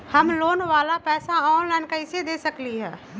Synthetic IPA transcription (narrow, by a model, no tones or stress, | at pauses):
hɐmloːnʋaːlapɛːsaɔːnlaɪnkaɪsed̪eːsəkliɦɛː